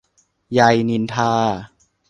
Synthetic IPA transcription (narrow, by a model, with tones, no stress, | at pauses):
ja˧jni˧nt̪ʰaː˧